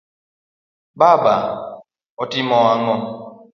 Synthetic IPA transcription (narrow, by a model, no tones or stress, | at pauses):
baba | ɔtimɔaŋɔ